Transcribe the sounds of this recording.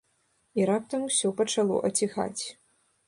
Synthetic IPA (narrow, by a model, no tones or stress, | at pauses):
iɾap̚t̪ɐmusʲɔpɐt͡ʂalˠɔ̰ʔɐt͡sʲixa̰t͡sʲ